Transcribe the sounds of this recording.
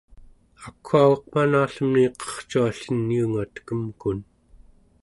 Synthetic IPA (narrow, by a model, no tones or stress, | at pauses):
akʰːuawɑq̚manaːɬəmniqʌ̥χt͡ʃuaɬənjuŋat̪kəmkun